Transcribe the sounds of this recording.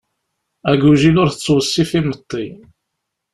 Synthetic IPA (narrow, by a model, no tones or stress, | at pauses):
æɡuʒilʊɾθət͡sːwəsːifimət̪ˤːi